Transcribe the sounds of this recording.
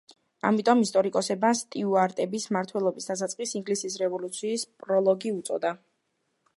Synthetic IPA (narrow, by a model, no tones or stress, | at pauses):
a̰mit̪ʼɔmist̪ʼɔɾikʼɔsɛbast̪ʼiuaɾt̪ʼɛbismaɾt̪ʰwɛlˠɔbisd̪atsat̪sʼqʼisiŋɡlisisɾɛvɔlut̪sʰiːspʼɾɔlˠɔɡiut̪sʼɔ̰d̪a